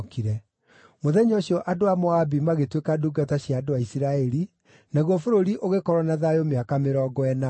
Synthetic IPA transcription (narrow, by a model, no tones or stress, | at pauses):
kiɾɛ | moðɛɲɔɕjɔʔadoamɔabimaɣetwekaduɡataɕjaːdowaisiɾaɛɾi | naɣwɔfoɾoɾiʔoɣekɔɾwɔnaðajomeakameɾɔɡɔɛna